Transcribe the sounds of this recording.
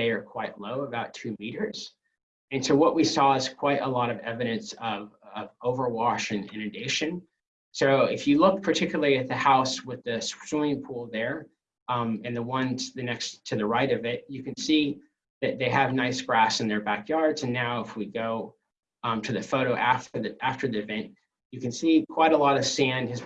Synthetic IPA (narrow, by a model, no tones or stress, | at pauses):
ðeɪə˞kʰw̥aɪʔˡloʊəbaʊtʰʉmiɾə˞z̥ | ɨ̃nsoʊwʌʔwʔisɔɪz̥kʰw̥aɪɾʔə̰lɔɾʌvɛ̰vɨɾɨ̃nsʌvʌvoʊvə˞wɔʃɨ̃nɪ̰̃nɨdeɪʃɨ̃n | soʊɪfjɨlʊk̚pʰə˞tʰɪkjl̩ˠiɨt̪̚ðɨhaʊswɪðɨsuɪ̃ŋpʰulˠðə˞ | mɨ̃nðəwʌ̃nðɨnɛkstʰɨðɨɹaɪɾʌvɪt̚ɨkɨ̃nsi | ðɨt̪̚ðeɪɨvnaɪsɡ̥ɹæsɨ̃n̩ðə˞bækjɑɹdzɨ̃nːaʊəfwiɡoʊ | tʰɨðɨfoʊɾoʊʔæftə˞ðiʔæftə˞ðiɨvɛ̃nʔ | ɨkɨ̃nsikʰw̥aɪɾəlɔɾʌv̥sæ̃nd̥ɨz